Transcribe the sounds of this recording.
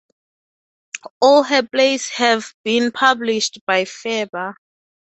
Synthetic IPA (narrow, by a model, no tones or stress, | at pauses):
ɔlɦɛpleshɛvbĩnpʰabliʃtb̥ajfɛba